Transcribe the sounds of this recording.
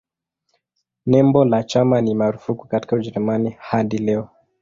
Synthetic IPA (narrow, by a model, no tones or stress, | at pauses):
nɛmbɔlat͡ʃamanimaɾufukukati̥kauʄɛɾumanihaɗilɛɔ